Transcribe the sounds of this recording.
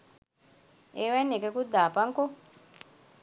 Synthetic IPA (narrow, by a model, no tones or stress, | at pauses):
ɛwɛnɛkɛkud̪apaŋkɔ